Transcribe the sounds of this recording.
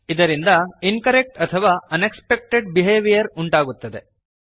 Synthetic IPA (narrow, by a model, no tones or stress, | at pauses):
id̪ɐɾind̪ɐinkɐɾek̚ʈɐt̪ʰɐʋaːɐnekspek̚ʈeɖ̚biɦeːʋijɐɾuɳʈaːɡut̪ːɐd̪e̞